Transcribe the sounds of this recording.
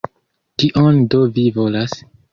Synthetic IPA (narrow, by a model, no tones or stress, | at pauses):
kiʔondovivo̞las